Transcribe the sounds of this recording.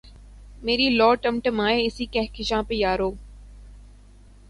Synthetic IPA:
meːɾiːlɔːʈəmʈəmaːeɪsiːkɛɦkɪʃãːpejaːɾoː

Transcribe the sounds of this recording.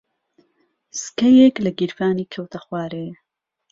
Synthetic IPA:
skɐjeklɐɡiɾfaːniːkʰɐwt̪ʰɐxwaːɾe

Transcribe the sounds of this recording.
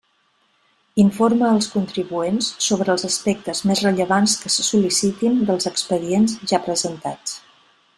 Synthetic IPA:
iɱforməːlˠskunt̪ɾiβuensːoβɾəːlˠzəspɛk̚t̪əzmezrəʎəβanskəsəsulisit̪ind̪əlˠzəkspəðienzʒapɾəzənt̪at͡s

